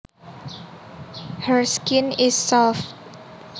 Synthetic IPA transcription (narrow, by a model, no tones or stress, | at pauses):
həɹskɪ̃nɪsːɔlf